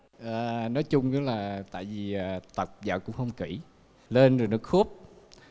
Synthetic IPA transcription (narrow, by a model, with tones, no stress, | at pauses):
ʔaː˨˩nɔ˨˦jt͡ɕʊ˧ŋ͡mɲɨ˨˦laː˨˩t̪a̰ː˧˨jvi˨˩ʔaː˨˩t̪ə˨˩k͡p̚zə̰ː˧˨˩kʊ̰˧˥ŋ͡mhə˧wŋ͡mki˧˩ | le˧nzo˨˩jnɔ˨˦xu˦˥p̚